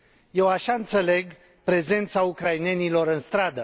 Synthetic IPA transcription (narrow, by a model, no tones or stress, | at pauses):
je̞waʃaɨnt̪se̞le̞ɡ | pɾe̞ze̞nt̪saukɾaine̞nilo̞ɾɨnst̪ɾad̪ə